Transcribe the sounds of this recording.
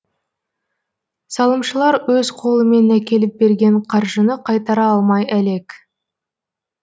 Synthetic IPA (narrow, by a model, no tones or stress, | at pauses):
sɑlˠəmʃəlˠɑɾwɵzqʰo̞lˠəme̞nækʲe̞lɪp̚be̞ɾɡʲe̞ɴqʰɑɾʒənəqʰɑjt̪ɑɾɑɑlˠmɑjæle̞k